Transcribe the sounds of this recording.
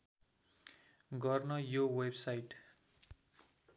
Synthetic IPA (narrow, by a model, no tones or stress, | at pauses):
ɡʌrnʌjowebsajʈ